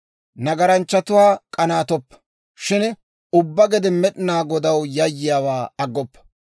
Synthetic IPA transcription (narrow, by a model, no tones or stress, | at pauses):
nɐɡɐɾɐnt͡ʃːɐt̪ʊwaːkʼɐnaːt̪ɔpːɐ̥ | ʃɪn | ʊbːɐɡɛd̪ɪmɛɗɪnaːɡɔd̪ɐwjɐjːɪjaːwaːɐɡːɔpːɐ̥